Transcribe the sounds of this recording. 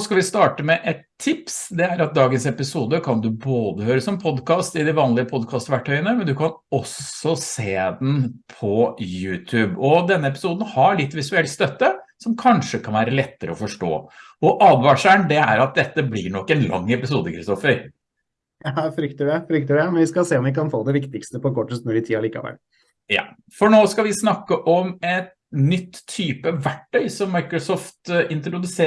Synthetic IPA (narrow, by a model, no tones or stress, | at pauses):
skɑʋɪst̪ɑːʈəmɛʔɛt̪ʰːɪpsd̪ɛæɾɑt̪̚d̪ɑːɡənsɛpɪsuːd̪əkʰɑnd̪ʉboːd̪əhøːɾəsɔmpʰɔd̪kʰɑːst̪ɪd̪ɪʋɑːnlɪəpʰɔd̪kʰɑːst̪ʋæʈʰːœʏənəmɛnd̪ʉkʰɑn | ɔsɔseːd̪n̩pʰɔjʉːt̪ʰʉːbɔd̪ɛnːəɛpɪ̥suːd̪n̩hɑɭɪt̪ːʋɪsʉɛlt̪st̪œt̪ːəsɔmkʰɑnʂəkʰɑnʋæːɾəlɛt̪ːəɾəɔfɔʂʈo̰ː | ɔʔɑːd̪ʋɑːʂæɳd̪ɛæ̰ɾɑt̪̚d̪ɛt̪ːəblɪ̰ɳɔkːɛnlɑ̰ŋːɛpɪsuːd̪əkʰɾɪst̪ɔfəɾ | jɑfɾʏkt̪əɖɛfɾʏk̚t̪əɖɛmɛnʋɪskɑseːɔmʋɪkɑnfoːd̪ɛʋɪkt̪ɪkst̪əpɔkʰɔʈːəst̪nɔɾɪt̪ʰiːɑliːkɑ̰ʋɛ̰lː | jɑ̰ː | fɔɳoːskɑʋɪsnɑkːəʔɔmɛt̪ | nʏt̪ʰːyːpəʋæʈːœʏsɔmːɑɪkɾɔsɔːft̪ɪnt̪ɾʊd̪ʉseː